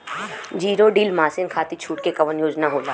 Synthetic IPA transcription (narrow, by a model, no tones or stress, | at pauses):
d͡ʒiːɾoɖiːlmaːsɪnkʰaːt̪it͡ʃʰuːʈkekɐʋənjoːd͡ʒnaɦoːlaː